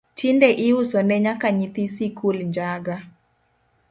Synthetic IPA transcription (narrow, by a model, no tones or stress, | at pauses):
tʰindɛʔɪusɔnɛɲakaɲit̪isikʰulɲd͡ʒaɡa